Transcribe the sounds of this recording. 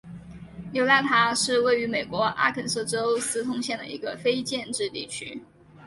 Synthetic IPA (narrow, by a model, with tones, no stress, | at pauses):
jo˧˥ʊt̪a˥˩t̪ʰa˧˥ʂɻ̩˥˧we˥˩ɪy˧˥me˨˩ɪkwɔ˧˥ʔa̰˥kʰə˨˩nsɤ˥˩ʈ͡ʂo˥ʊsɹ̩˥t̪ʰʊ˥ŋɕjɛ˥˩nd̪ə̰˩ḭ˧˥ɡə˧fe˥ɪt͡ɕjɛ˥˧nʈ͡ʂɻ̩˥˧t̪ḭ˥˩t͡ɕʰy̰˥